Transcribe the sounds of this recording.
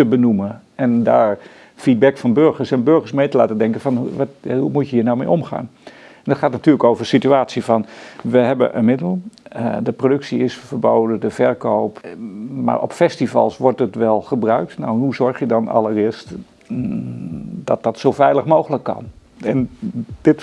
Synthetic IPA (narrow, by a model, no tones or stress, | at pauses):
təbənumə | ɛndaːɹ | fid̚bɛkfɑnbøɹxəɹsɛnbøɹxərsmejtəla̰ːtədɛŋkənfɑnhumutjəjənawmḛjomxa̰ːn | ɛnətχxaːtnatyːləkoːvərsityaːtsjifɑnʋəɦɛbə̰ʔə̰nmɪdəlˠədəprodɵksiɪsfərboːdədəfɛɹkʰoːpma̰ːɹʔɔ̰pfɛstivɑ̰lˠsʋɔɹtətʋɛlˠxəbrœɥk̚tna̰wnhɦuzɔɹxjədɔna̰lˠərɪəst | dɔt̚dɔtsofɛjləxmoːxələkːɑ̰nɛnd̥ɪt